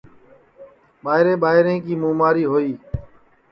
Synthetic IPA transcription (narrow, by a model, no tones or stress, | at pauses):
ɓaːɦɪɾẽːɓaːɦɪɾẽːkiːmũːmaːɾiːɦoːiː